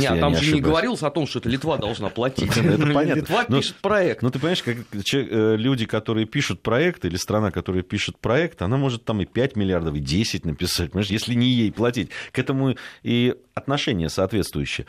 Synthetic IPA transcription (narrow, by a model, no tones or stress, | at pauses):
ejaamʲnɪɐʂnɨɪɡəvɐɾʲilˠəsʲɐt̪o̞mʂt̪oɛt̪əlʲɪt̪vad̪ɐlˠʐnaplˠɐt̪ʲɛt̪əpɐnʲatlʲɪtəvanoiʂɨ̥t̪pɾɐɛk̚t̪not̪ɨpɐnɪmɛɪʂkakt͡ɕəlʲudʲɪkɐt̪o̞ɾɨjəpʲiʂʊt̪̚pɾɐɛkt̪ilʲɪst̪ɾɐnakɐt̪o̞ɾəjəpʲiʂʊt̪̚pɾɐɛkt̪ɨɐnamo̞ʐɨt̪ːamɨpʲætʲmʲɪlʲɪard̪əfɨdʲesʲɪt̚ʲnəpʲɪsat̚ʲpənʲmɛʂjesʲlʲɪnʲɪjejplˠɐtʲit̚ʲkɛt̪əmʊiɐt̪nɐʂɛnʲɪjəsɐːt̪vʲe̞t̪st̪vʊjʏɕːɪjə